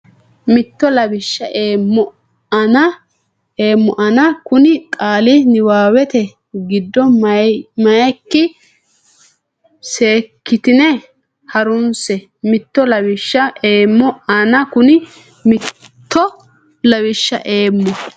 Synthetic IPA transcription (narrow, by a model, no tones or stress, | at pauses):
mɪt̪ːɔlɐbɪʃːɐʔeːmːɔ | ɐnɐ | eːmːɔʔɐnɐkʊnɪkʼaːlɪnɪwaːwɛt̪ɛ | ɡɪd̪ːɔmɐmɐjɛkːɪ | se̞ːkːɪt̪ɪnɛ | hɐɾʊnsɛ | mɪt̪ːɔlɐbɪʃːɐʔeːmːɔɐnɐkʊnɪ | mɪ | t̪ːɔ | lɐβɪʃːɐ̰ʔeːmːɔ